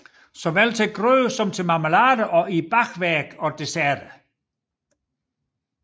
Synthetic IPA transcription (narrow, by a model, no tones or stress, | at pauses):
sɒ̽ʋælt͡sʰeɡ̥ʁøðsɒ̽mt͡sʰe̝mɑ̈məlɑːɾəʔɒ̽ib̥ɑɡʋæɐɡ̥ɒ̽d̥e̝sæɐd̥ə